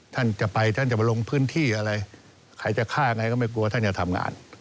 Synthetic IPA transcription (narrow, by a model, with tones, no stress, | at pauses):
t̪ʰa˥˩nt͡ɕa˨˩pa˧jt̪ʰa˥˩nt͡ɕa˨˩ba˧lo˧ŋpʰɯː˥˩˨nt̪ʰiː˥˩ʔa˧ɾa˧j | kʰa˧˩jt͡ɕa˨˩kʰaː˥˩ja˧ŋa˧jkɔː˥˩ma˥˩jk̬u˧waː˥˩t̪ʰa˥˩nt͡ɕa˨˩t̪ʰa˧mŋa̰ː˧n